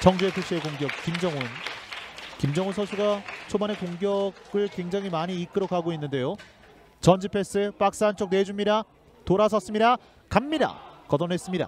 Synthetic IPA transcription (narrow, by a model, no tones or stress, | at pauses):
t͡ɕʌŋd͡ʑuepʰuɕ͈iekoŋɡjʌk̚k͈imd͡ʑʌŋun | kimd͡ʑʌŋunsʰʌsʰuɡat͡ɕʰobane̞koŋɡjʌɡɯɭkwe̞ŋd͡ʑaŋɦimaɲiːk͈ɯɾʌkʰaɡoinːɯnde̞jo | t͡ɕʌnd͡ʑipʰe̞s͈ʰɯp͈ak̚s͈aɦːnt͡ɕ͈ok̚ne̞d͡ʑumːiɾa | toɾasʰʌs͈ɯmɲiɾa | kamːiɾa̰kʌdʌnɦe̞s͈ɯmɲida̰